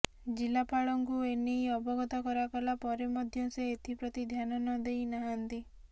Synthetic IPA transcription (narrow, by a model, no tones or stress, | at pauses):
d͡ʒilapaɭɔŋkuenejɔbɔɡɔt̪ɔkɔɾakɔlapɔɾemɔd̪ʱjɔseːt̪ʰipɾɔt̪id̪ʱjanɔnɔd̪ejnaɦant̪i